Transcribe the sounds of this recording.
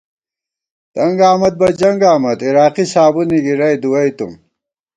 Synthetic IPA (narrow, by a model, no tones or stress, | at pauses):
t̪ɐŋɡaːmɐd̪̚bɐd͡ʑɐŋɡaːmɐd̪iɾaːqisaːbuniɡiɾɐjd̪uwɐijt̪ṵm